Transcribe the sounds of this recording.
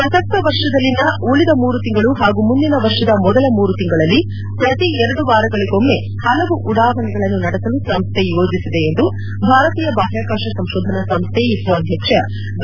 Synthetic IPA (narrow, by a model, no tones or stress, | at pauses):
pɾɐsɐk̚t̪ɐʋɐɾʂɐd̪ɐlːinɐuɭid̪ɐmuːɾut̪iŋɡɐɭuɦaːɡumund̪inɐʋɐɾʂɐd̪ɐmɔd̪ɐlɐmuːɾut̪iŋɡɐɭɐlːi | pɾɐt̪iɛɾɐɽuʋaːɾɐɡɐɭiɡo̞mːe̞ | hɐlɐʋuʔːɽaːɦɐɳɛɡɐɭɐnːunɐɽɛsɐlusɐmst̪ʰejo̞ːd͡ʒisid̪e̞end̪u | bʱaːɾɐt̪iːjɐbaːɦjaːkaːʂɐsɐmʃoːd̪ʱɐnɐsɐmst̪ʰeisɐɐd̪ʱjɐkʂɐ